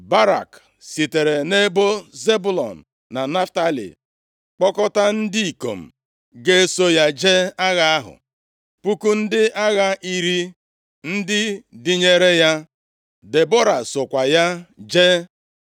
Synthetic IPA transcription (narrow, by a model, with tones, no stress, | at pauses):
ba˦ɾa̰˨k | si˨te˨ɾe˨ne˦bo˦ze˦bu˦˨lɔ̰˨n̩˨ | na˨na˦fta˦lḭ˨ | k͡pɔ˦kɔ˦ta˦n̩˦di˦i˨ko̰˨m̩˨ | ɡe˦e˦so˦ja˦d͡ʒe˦a˦ɣa˦a˦ɦʊ̰˨ | pu˦ku˦n̩˦dɪ˦ʔa˦ɣa˦ʔi˨ɾi˦ | n̩˦dɪ˦dɪ˦ɲe˦ɾe˦ja˦ | de˨bɔ˦ɾa˨sʊ˨kʷa˨ja˦d͡ʒe˦